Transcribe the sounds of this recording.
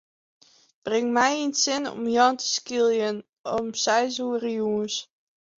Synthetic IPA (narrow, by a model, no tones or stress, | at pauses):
b̥rɪŋmɛjinsɪnɔ̰mjɔntə̥skilˠjən | ɔmsɛjzuːərjuəns